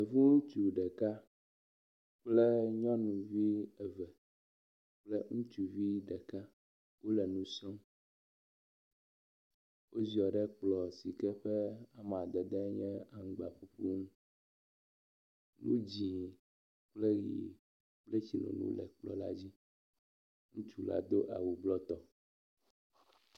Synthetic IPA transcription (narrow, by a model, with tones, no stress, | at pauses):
ɛ˨vu˦ŋũ˦t͡ʃu˨ɖɛ˨ka˦ | k͡plɛ˦ɲɔ̃˦nũ˨vi˦ɛ˨vɛ˨ | k͡plɛ˦ŋũ˦t͡ʃu˨vi˦ɖɛ˨ka˦ | wo˦lɛ˨nũ˦sɔ̃˦m | wʔo˦zi˨ɔ˨ɖɛ˦k͡plɔ˨si˨kɛ˦ɸɛ˦a˨m˨a˨d̪ɛ˨d̪ɛ˦ɲɛ̃˦a˨ŋ̩˦ɡ͡ba˨ɸu˦ɸu˦ŋũ˦ | nũ˦d͡ʑi˨ | k͡plɛ˦ɣḭ˨ | k͡plɛ˦t͡ɕi˨lo̰˨nṵ̃˦lɛ̰˨k͡plɔ̰˨la̰˦d͡ʑi˦ | ŋũ˦t͡ʃu˦la̰˦d̪o˦ʔa˨wu˨blɔ˦t̪ɔ˨